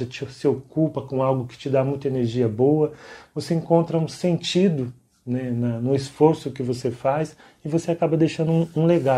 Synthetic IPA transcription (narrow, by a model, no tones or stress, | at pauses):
ɐt͡ʃɪsɪokupɐkõawɡʊkɪ̥t͡ʃɪd̪amũj̃t̪ɐeneɾʒiɐboɐvoseĩŋkõnt̪ɾɐũsẽnt͡ʃid̪ʊ | nɛnɐnʊɪsfoɾsʊkɪvosefas | ɪvoseakabɐd̪ejʃɐ̃nd̪ʊũũleɡa